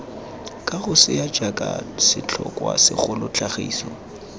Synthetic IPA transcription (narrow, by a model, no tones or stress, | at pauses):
kʼaɣʊsɪjad͡ʒakʼasɪt͡ɬʰɔkʼwasɪχʊlʊt͡ɬaχiːsɔ